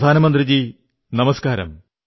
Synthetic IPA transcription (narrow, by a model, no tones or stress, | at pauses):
d̪ʱaːnɐmɐnd̪rid͡ʑi | nɐmɐskaːɾɐ̰m